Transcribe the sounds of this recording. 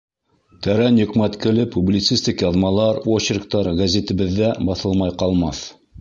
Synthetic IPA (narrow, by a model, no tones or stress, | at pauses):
t̪æɾænjɵ̆qmæt̪kɘ̆lɘpʰːublʲit̪sist̪ikjɑðmɑlˠɑɾwoɕɪɾk̚t̪ɑɾɡæzʲet̪ɘ̆bɘ̆ðːæbɑθɤlˠmɑjqɑlˠmɑθ